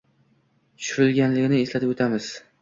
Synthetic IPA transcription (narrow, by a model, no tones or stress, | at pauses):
t͡ʃʰʊ̥ɾɪlɡʲanlɪɡʲɪnɪeslat̪ɪpot̪ʰamɪz̥